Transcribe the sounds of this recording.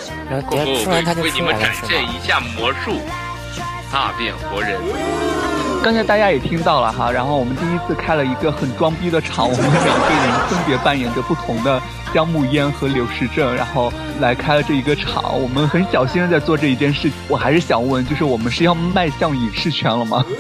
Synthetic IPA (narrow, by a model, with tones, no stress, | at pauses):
ni˧˩mə˦ʈ͡ʂa˨˩nɕjɛ˥˩ni˧˥ɕja˥˩mwɔ˧˥ʂu˥˩ | a̰˥˩pjɛ̰˨˩nxwɔ˧˥ɻə˧˥n | kɑ˥˧ŋsʰa˥ɪt̪a˥˩t͡ɕja˥jɛ˨˩t̪ʰi˥ŋt̪ɑ˥˩ʊlə˩xa̰˥ɻa˧˥nxo˥˩ʊwɔ˨˩mə˦nt̪i˥˧i˥t͡sʰɹ̩˥˧kʰa˥ɪlə˨i˧˥ɡə˧xə˨˩nʈ͡ʂwɑ˥ŋpi˥d̪ə˨ʈ͡ʂʰɑ˧˥ŋwɔ˨˩mə˦nme˨˩˧ɡə˥˩ɻə˧˥nfə˥npjɛ˧˥pa˥˩njɛ˨˩nd̪ə˦pu˥˩t̪ʰʊ˧˥ŋd̪ə˧ | t͡ɕjɑ˥ŋmu˥˩jɛ˥nxɤ˧˥ljo˧˥ʊʂɻ̩˥ʈ͡ʂɤ˥˩ŋɻa̰˧˥nxo˥˩ʊ | la˧˥ɪkʰa˥ɪlə˨ʈ͡ʂɤ˥˩i˧˥ɡə˧ʈ͡ʂʰɑ̰˨˩˥ŋwɔ˨˩mə˦nxə˧˥nɕjɑ˨˩ʊɕi˥nə˧t͡sa˥˧ɪt͡swɔ˥˧ʈ͡ʂɤ˥˧i˧˥t͡ɕjɛ˥˧nʂɻ̩˥˩t͡ɕʰi̥˨˩ŋwɔ˨˩xa˧ɪʂɻ̩˥˩ɕjɑ˨˩ŋwə˥˩˧nt͡ɕjo˥˧ʊʂ̬ɻ̩˥˩wɔ˨˩mə˦nʂɻ̩˥˧jɑ˥˧ʊma˥˧ɪɕjɑ˥˧˩ŋi˨˩ʂɻ̩˥˩t͡ɕʰɥɛ˧˥nlə˧mɐ̰˩